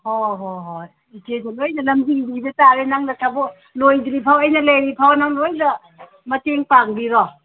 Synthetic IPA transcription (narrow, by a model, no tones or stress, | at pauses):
hoɦoɦo | itedalojnɐlɐmziɡidiɡidetaɾenaŋnɐtʰabɔ | lojdɾipʰawɐjnɐlejɾipʰawnaŋlojda | mɐteŋpaŋbiɾɔ